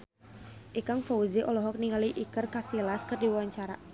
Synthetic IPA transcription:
ʔikaŋfɔuziʔɔlɔɦɔk̚niŋaliʔikərkasilaskɨrdiwawaɲt͡ʃaɾa̰

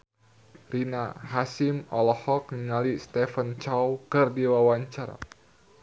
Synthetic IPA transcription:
rinahasimɔlɔhɔk̚ŋiŋalist̪ɛfənt͡ʃawkɨrdiwawaɲt͡ʃaɾa̰

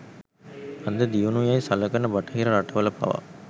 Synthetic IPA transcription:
ɐnd̪ɐd̪iunujɐɪsɐlːɐkːɐnːɐbɐʈːɐɦɪɾɐɾɐʈːɐʋɐlɐpːɐ̰ʋa̰

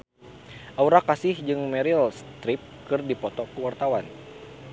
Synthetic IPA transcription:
ʔauɾakasɪhd͡ʒɨŋmɛɾilst̪ɾip̚kɨrdipɔt̪ɔkəwart̪awan

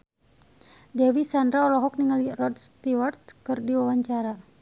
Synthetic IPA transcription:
dɛwisandɾaɔlɔɦɔk̚niŋalirɔdst̪iwart̪̚kɨrdiwawaɲt͡ʃaɾa

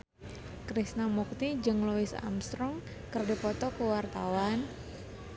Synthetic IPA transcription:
kɾisnamuk̚t̪id͡ʒɨŋluɪsa̰mst̪ɾɔŋ | kərdipɔt̪ɔkəwart̪awan

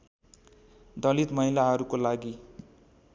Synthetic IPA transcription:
d̪ʌlit̪mʌɦilaɦʌɾukolaɡi

